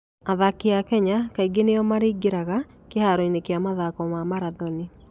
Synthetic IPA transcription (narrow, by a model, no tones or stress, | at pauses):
aðakiakɛɲakaiɡenejɔmaɾiːɡeɾaɣa | kehaɾoinekjamaðakɔmamaɾaðɔni